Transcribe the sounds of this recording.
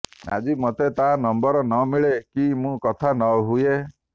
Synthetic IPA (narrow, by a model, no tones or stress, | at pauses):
a̰d͡ʒimot̪et̪anɔmbɔɾɔnɔmiɭekimũkɔt̪ʰanɔɦuje